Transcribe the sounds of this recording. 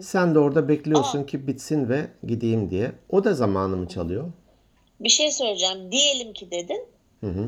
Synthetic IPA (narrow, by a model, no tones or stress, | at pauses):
sænd̪ɛo̞ɾd̪abɛclʲijo̞ɾsuncʰibit̪sinvɛɟid̪ijimd̪ijɛo̞d̪azamaːnɯmɯt͡ʃʰa̰lˠɯjo̞ | biʃejsø̞jlʲd͡ʒamd̪ije̞lʲimcʰid̪e̞d̪ɪn | hɯ̃ɦɯ